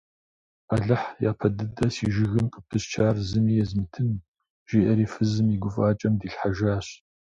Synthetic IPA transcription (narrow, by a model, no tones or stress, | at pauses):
aɮɐħja̰ːpʰɐdɨdɐsiːʒɪɣɨmqʼəp̚tʰɨst͡ʃʰaːrzɨmiːjɛzmɨtʰɨn | ʒ̥iːʔɐɾiːfɨzɨmiɡʷʊfʼaːt͡ʃʼɐmdiːɬħaʒaːɕ